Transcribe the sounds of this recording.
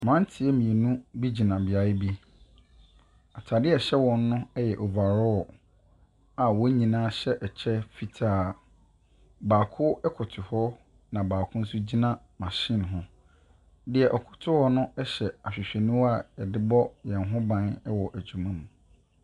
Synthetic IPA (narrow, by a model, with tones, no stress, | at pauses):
mã˦n˦tʰɪ˨ɛ˦mĩ˨e˨nũ˦bi˦d͡ʑi˨nã˨bɪ˨a˨ɪ˦bi˦ | a˨tʰa˨dɪ˦ɛ˨ɕɛ˦wɔ̃˨nː˦ʊ̃˦ɛ˦jɛ˨ʔo˨va˨ɾɔ˦ɔ˨ | a˨wɔ˦ɲĩ˨nãː˦ɕɛ˦ʔɛ˨t͡ɕʰɛ˦fi˨tʰaː˨ | baː˨kʰʊ˦ɛ˦kʰʊ˨tʰʊ˨hɔ˦ | nã˨baː˨kʰʊ̃˦n̩˦su˦d͡ʑi˦nã˦ | mã˨ɕɪ̃˦n˨ɦʊ̃˦ | dɪ˨ɛ˨ʔɔ˨kʰʊ̥˨tʰʊ˦hɔ˦nʊ̃˦ɛ˦ɕɛ˨a˨ɕᶣɪ˨ɕᶣɛ˨nũ˦wa˦˨ɛ˨dɪ˦bɔ˦jɛ̃˨nɦʊ̃˦bã˨nɛ˦wɔ˨ʔæ˨d͡ʑu˨mã˦nũ˨